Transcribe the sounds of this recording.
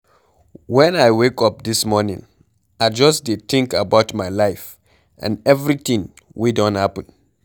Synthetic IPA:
wɛ̃naɪwekʌp̚d̪ismɔnḭ̃ŋ | aɪd͡ʒʌsdɪt̪ɪ̃ŋkabaʊtmaɪlaɪf | ʔã̰nɛvɹiθĩŋ | widɔ̃nthapə̃n

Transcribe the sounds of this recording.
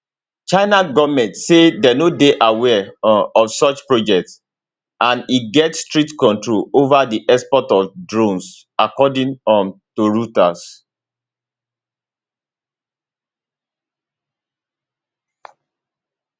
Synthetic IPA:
t͡ʃaɪnaɡɔvmɛ̃ntsedɛnodeʔawɛɔfsɔt͡ʃpɹod͡ʒɛk̚ts | ãniɡɛtstɹitkɔ̃ntɹolovadiʔɛspɔtɔfdɹõns | akɔdĩŋɔtoɹutas

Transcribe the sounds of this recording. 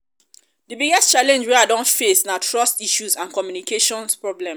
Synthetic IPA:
dibiɡɛst͡ʃalɛ̃nd͡ʒweadɔ̃nfesnatʰɹɔstiʃuzãnkɔmjunikeʃɔ̃nspɹɔblɛ̃m

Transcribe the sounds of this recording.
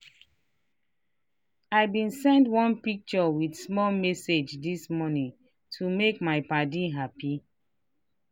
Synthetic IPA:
ajbĩnsɛ̃ndwɔ̃npik̚t͡ʃɔwidsmɔlmɛsed͡ʒdismɔnĩŋ | tʰumekmajpadiɦapi

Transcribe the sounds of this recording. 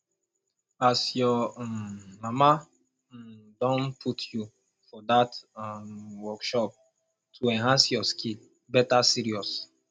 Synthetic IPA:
asjɔmmama | dɔ̃npʰutʰju | fɔdatmwɔkʃɔp̚ | tʰuɛ̃nɦãnsjɔskʰil | bɛtasiɹiɔs

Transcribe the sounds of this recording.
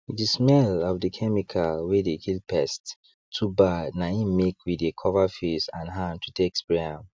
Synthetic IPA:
dəsmɛlɔvdəkʰɛmikʰawedekʰilpɛst | tʰːubanaĩnmekwidekʰɔvafesãnɦãntʰutʰekspɹɛãm

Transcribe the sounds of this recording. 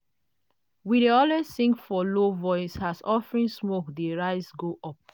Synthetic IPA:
wiɾeɔlwessĩŋkfɔlovɔɪshasɔfɹĩnsmokdeɹaɪsɡoʔɔp̚

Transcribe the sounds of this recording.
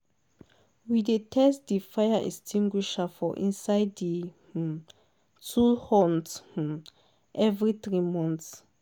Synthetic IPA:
widetʰɛstdifajaʔɛ̰stʰĩŋɡwiʃafɔʔḭ̃nsaɪddi | tʰulhɔnt | ʔɛvɹiθɹimɔ̃nts

